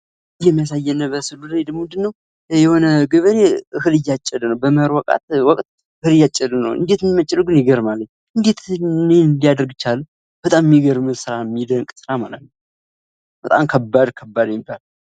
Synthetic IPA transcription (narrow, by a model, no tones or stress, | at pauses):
jɛmːijas̬ajːɛnːəbəsɨlːulajd̪əmʊnd̪ɨnːəw | jɛho̞nəɡɨβɾehɨlɨjːat͡ʃʼːɛlnəwbəməɾwɔkʼa̰t̪wɔkʼt̪̚ | hɨlɨjat͡ʃʼːɛlnə̰wɨ̰nd̪et̪ɨnːimət͡ʃʼːɪluɡɨnjɪɡəɾmaləɲː | ʔɨnd̪et̪ned̪ijad̪əɾɡt͡ʃːalːu | b̥ət̪ʼammːiɡəɾmɨsɨɾamːid̪əŋkʼsɨɾamalət̪nəw | b̥ət̪ʼa̰mkʰəbːad̪kʰəbːad̪mibal